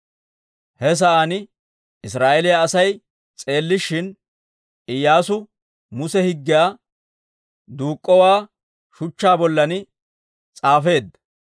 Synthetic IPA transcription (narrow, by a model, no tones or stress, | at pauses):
hɛs̬ɐʔɐnɪ | ɪsɾaːʔɛlɪjaːsɐj | t͡sʼe̞ːlːɪʃːɪn | ʔɪjːaːsʊ | mʊsɛhɪɡːɪjaː | d̪uːkʼːɔwaː | ʃʊt͡ʃːaːbɔlːɐnɪ | t͡sʼaːfe̞ːd̪ɐ